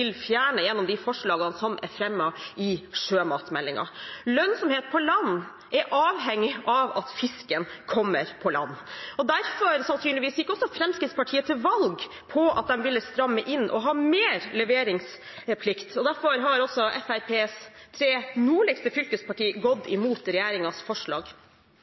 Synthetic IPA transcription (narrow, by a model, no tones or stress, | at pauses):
ɪlfjæːɳəjɛnːɔmd̪ɪfɔʂɭɑːɡɑnsɔmʔɛ̰ɾfɾɛmːɑʔɪʂøːmɑ̰ːt̪mɛlːɪŋɑ̰lœnsɔmheːt̪̚pʰɔlɑnː | ʔɛɾʔɑːʋɦɛŋːɪʔɑʋɑt̪fɪskənkʰɔmːəɾpʰɔlɑ̰nːɔd̪æɾfɔɾsɑnsyːnlɪʋiːsjɪkːɔsːɔfɾɛmskɾɪt̪spɑʈʰiːət̪ʰɪlʋɑlɡ | pʰɔɑ̰t̪̚d̪ɛmʋɪlːəst̪ɾɑmːəʔɪnːʔɔ̰ɦɑːmeːɾləɛʋeːɾɪŋs | pʰlɪkt̪ʰɔd̪æɾfɔɾɦɑɾɔsɔɛfæɾpʰeːst̪ʰɾeːnuːɭɛkst̪əfʏlkəspʰɑʈiːɡɔd̪ːɪmuːt̪ɾɛjæːɾɪŋɑsfɔʂɭɑ̰ːɡ